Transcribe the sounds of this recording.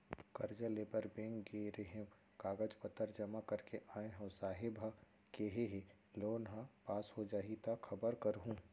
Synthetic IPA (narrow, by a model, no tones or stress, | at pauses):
kɐɾd͡ʒəleːbəɾbẽːŋkɡeɾeɦẽm | kaːɡəd͡ʒpət̪ːəɾd͡ʒɐmakɐɾkeʔaːẽɦõsaːɦɪbʱə | keɦeɦe | loːnɦə̃paːshod͡ʒaːɦit̪axʰɐbəɾkəɾɦũː